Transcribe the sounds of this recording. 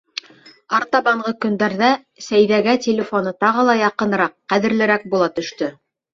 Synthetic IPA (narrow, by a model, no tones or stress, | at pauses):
ɑɾt̪ɑβɑɴʁɤkɵ̆nd̪æɾðæ | sæjðæɡætʲɪlʲɪfo̞nɤt̪ɑʁɤlˠɑjɑqɤ̆nɤɾɑqːæðɘ̆ɾlɘ̆ɾæk̚bulˠɑt̪ɵ̆ʃt̪ɵ